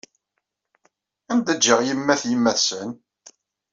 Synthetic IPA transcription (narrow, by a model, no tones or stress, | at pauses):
ænd̪æd͡ʒːəʁjəmːæθjimːæθsən